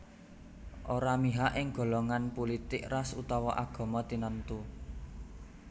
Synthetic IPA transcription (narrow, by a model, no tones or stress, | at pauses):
ʔoɾamiɦaʔɪŋɡ̥o̤lɔŋanpulit̪ɪk̚rasut̪ɔwɔʔaɡ̥ɔ̤mɔt̪inənt̪u